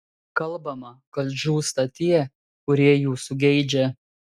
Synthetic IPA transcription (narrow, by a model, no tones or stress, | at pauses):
kɐlˠˑbɐmɐkɐlʲʒʲuːst̪ɐt̪ʲiɛ | kʊɾʲiɛjuːsʊɡʲɛɪd͡ʒʲɛ